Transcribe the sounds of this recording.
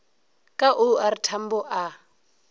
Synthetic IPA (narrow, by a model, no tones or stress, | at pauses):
kʼaʔʊaɾitʰam̩bɔʔa